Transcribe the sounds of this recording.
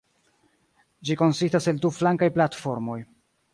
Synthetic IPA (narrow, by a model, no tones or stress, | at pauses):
d͡ʒiko̞nsistase̞lduflaŋkajplatfo̞ɾmo̞j